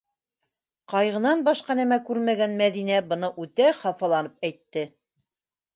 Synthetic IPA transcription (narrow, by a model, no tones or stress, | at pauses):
qɑjʁɤ̆nɑnbɑʃqɑnæmækʉɾmæɡænmæðinæbɤ̆nɤʔʉt̪æχɑfɑlˠɑnɤp̚æjt̪ːɘ